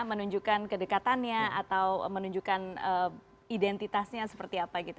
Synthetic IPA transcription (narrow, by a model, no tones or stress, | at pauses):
mənuɲd͡ʒukankədəkat̪anɲaa̰t̪awmənuɲd͡ʒukanə | idɛnt̪it̪asɲasə̥pərt̪iapaɡit̪